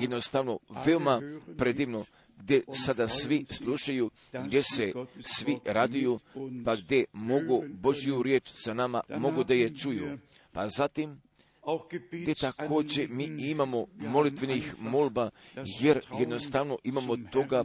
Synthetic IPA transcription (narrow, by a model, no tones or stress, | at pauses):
jed̪nost̪aʋno̞ʋe̞omapɾed̪iʋno | ɡd̪ʲjesad̪asʋislˠuʃaju | ɡd̪je̞se̞sʋiɾad̪ijupaɡd̪je̞mo̞ɡubo̞ʒijuɾje̞ːt͡ʃsanama̰mo̞ɡud̪ajet͡ʃuju | pazat̪im | ɡd̪et̪akʰo̞ːd͡ʑe̞miːimamo̞mo̞lit̪ʋenixmolbaje̞ɾjed̪no̞st̪aʋno̞ʔimamo̞t̪o̞ɡa